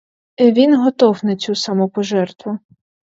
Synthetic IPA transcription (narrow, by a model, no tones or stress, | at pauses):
ɛʋʲinɦɔt̪ɔwnɐt͡sʲusamɔpɔʒɛrt̪ʋʊ